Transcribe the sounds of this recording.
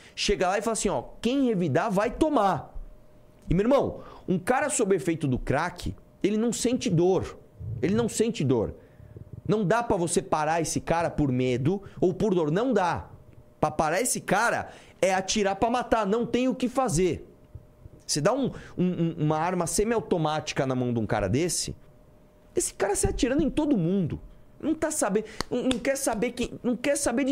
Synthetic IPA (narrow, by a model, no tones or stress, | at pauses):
ʃeɡɐlaɪfalɐsĩɔkẽj̃hevid̪avajt̪omaɾ | ɪmeeɾmɐ̃w̃ũkaɾɐsobɾefejt̪ʊd̪ʊkɾakʰɪ̰ | elɪnɐ̃w̃sẽnt͡ʃɪd̪oɾ | elɪnɐ̃w̃sẽnt͡ʃɪd̪o̰ɾ | nɐ̃w̃d̪apɾɐvosepaɾaesɪkaɾɐpoɾmed̪ʊowpoɾd̪oɾnɐ̃w̃d̪apɾɐpaɾaesɪkaɾɐ̰ | ɛat͡ʃiɾaɾpɾɐmat̪aɾnɐ̃w̃t̪ẽj̃ʊkɪfazeɾ | sɪd̪aũũũmɐaɾmɐsẽmɪawt̪omat͡ʃi̥kɐnɐmɐ̃w̃d̪ũka̰ɾɐ̰d̪esɪ̰ | esɪ̥kaɾɐsɪat͡ʃiɾɐ̃d̪ʊẽt̪od̪ʊmũnd̪ʊ̰ | nɐ̃w̃t̪asabẽnɐ̃w̃nɐ̃w̃kɛɾsabeɾkẽj̃nɐ̃w̃kɛɾsabeɾd͡ʒ